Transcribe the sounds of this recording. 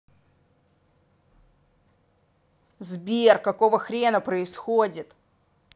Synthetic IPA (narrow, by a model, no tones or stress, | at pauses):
zbʲerkɐko̞vəxɾʲenəpɾəɪsxodʲɪt̪